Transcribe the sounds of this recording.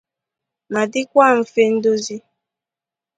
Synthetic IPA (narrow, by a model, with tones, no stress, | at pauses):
ma˨dɪ˦kʷa˦˨m̩˨fe˦n̩˦do˦zi˦